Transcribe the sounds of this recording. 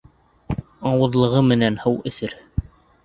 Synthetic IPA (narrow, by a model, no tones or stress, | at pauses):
ɑwɤ̆ðlˠɤ̆ʁɤmɘ̆nænhɤwɵ̆θɘɾ